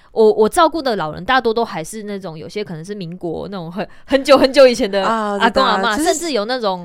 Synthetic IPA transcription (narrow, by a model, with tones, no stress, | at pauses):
wʔɔ˨˩wʔɔ˨˩ʈ͡ʂɑ˥˧ʊku˥˩d̪ə˩˨lɑ˨˩ʊɻə̰˧˦nt̪a˥˩t̪wɔ˥t̪o˥ʊxa˧˥ɪʂɻ̩˥˧na˥˩ʈ͡ʂʊ˨˦ŋjo˨˩ʊɕjɛ˦kʰə˨nə˧˦ŋʂ̬ɻ̩˥˩mi˧˥ŋkwɔ̰˧˦na˥˩ʈ͡ʂo˨˩ŋɦə˧˦n | hə˧˦nt͡ɕjo˥˩ʊhə˧˦nt͡ɕjo˥˧ʊi˨˩t͡ɕʰjɛ˧˦nd̪ə˧a˨˧˩kɔ˥˦ŋa˨˧˩ma˨˧ʂə˥˧nʈ͡ʂɻ̩˥˩jo˨˩ʊna˥˩ʈ͡ʂo˨˩˦ŋ